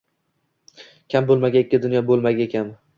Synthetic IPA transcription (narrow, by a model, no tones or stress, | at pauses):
kʲʰambolˠmaɡʲaekʲːɪd̪ʊnjɒbolˠmaɡʲaekʲʰan